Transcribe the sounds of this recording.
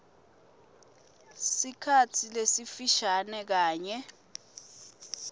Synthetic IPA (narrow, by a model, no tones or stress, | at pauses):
sikʰatʰilesifiʃanɛk̬aːɲɛ